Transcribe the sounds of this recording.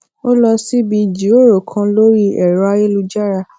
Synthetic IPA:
o˦lɔ˧si˦bi˧d͡ʒi˨˦o˦˨ɾo˨kʰã˧lo˦ɾi˦ɛ˨ɾɔ˨˦a˦je˦lu˧d͡ʒa˦ɾa˧

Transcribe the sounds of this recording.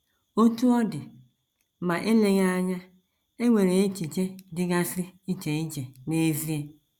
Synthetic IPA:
o˦tu˦ɔ˦dɪ˨ | mã˨ʔe˦le˨ɣa˦˨ɲã˦ | e˦we˨ɾe˨i˦t͡ʃi˨t͡ʃe˦dɪ˦ɡa˦si˦i˦t͡ʃe˨i˦d͡ʒe˨ne˦vi˦e˨

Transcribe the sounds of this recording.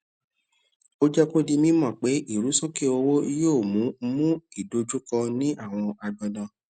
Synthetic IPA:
o˦d͡ʒɛ˦ko˦di˧mĩ˦mɔ̃˦˨k͡pe˨˦ʔi˦˨ɾu˨˦so˦ke˦˨o˧wo˦i˧˦joː˦˨mũ˨˦mũ˦i˦˨do˧d͡ʒu˦kɔ̃˧nĩ˦ʔa˦˨w̃ɔ̃˧a˧dɔ˧dã˧

